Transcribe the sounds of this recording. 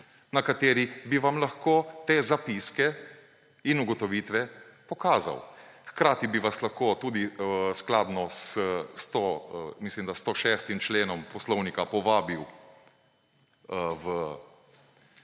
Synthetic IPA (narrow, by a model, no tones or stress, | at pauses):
nakat̪eːɾibiʋamlaxkoːt̪eːzapiskɛ | inuɡɔt̪ɔʋiːt̪ʋɛpɔkaːza̰wxkɾaːt̪ibiʋaslaxkoːt̪uːd̪isklaːd̪nɔsət̪omislimd̪ast̪oʃɛːst̪imt͡ʃleːnɔmpɔslɔwnikapɔʋaːbiw | əwə